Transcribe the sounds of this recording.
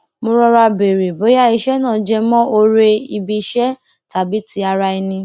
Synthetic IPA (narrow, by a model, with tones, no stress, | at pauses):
mõ˧ɾɔ˧ɾa˧be˨ɾe˨bo˨˦ja˦i˧ʃɛ˦nãː˦˨d͡ʒɛ˧mɔ̃˦ʔo˧ɾe˧i˧bi˧ʃɛ˦ | ta˨˦bi˦ti˨˦a˧ɾa˧i˧nĩ˧